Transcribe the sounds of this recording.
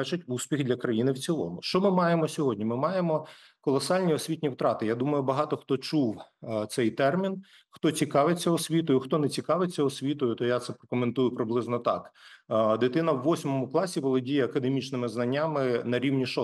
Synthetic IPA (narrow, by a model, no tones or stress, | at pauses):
ɛt͡ʃɐtʲusʲpʲixd̪lʲɐkɾɐjinɪwt͡sʲilˠɔ̰mʊʃt͡ʃɔmɪmɑjemɔsʲɔɦɔdʲnʲimɪmɑjemɔ | kɔlˠɔsɑlʲnʲiɔsʲʋʲitʲnʲiwt̪ɾɑt̪ɪjad̪umɐjʊbɐɦɑt̪ɔxt̪ɔt͡ʃuwt̪sɛjt̪ɛrmʲin | xt̪ɔt͡sʲikɑʋɪt͡sʲːɐɔsʲʋʲit̪̬ɔjʊxt̪ɔnet͡sʲikɑʋɪt͡sʲːɐɔsʲʋʲit̪ɔjʊt̪ɔjat̪sɛpɾɐkɔment̪ujʊpɾɪblˠɪznɔt̪ɑ̰kd̪ɪt̪ɪnɐwːɔsʲmɔmʊklˠɑsʲiʋɔlˠɔdʲijɛɐkɐd̪emʲit͡ʃnɪmɪznɐnʲːamɪnɐɾʲiwnʲiʃɔ